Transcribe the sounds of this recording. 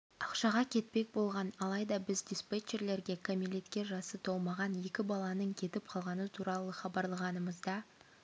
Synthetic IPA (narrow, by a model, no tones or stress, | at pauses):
ɑqʃɑʁɑkʲʰe̞t̪̚pe̞k̚ʲbo̞lˠʁɑnɑlˠɑjd̪ɑbɪzd̪ispet͡ʃe̞ɾle̞ɾɡʲe̞kʰomilʲet̪kʲe̞ʒɑsət̪ʰowˠmɑʁɑnje̞kʲɪbɑlˠɑnəɴkʲʰe̞t̪ɪp̚qʰɑlˠʁɑnət̪ʰuɾɑlˠəχɑbɑɾlˠəʁɑnəməzd̪ɑ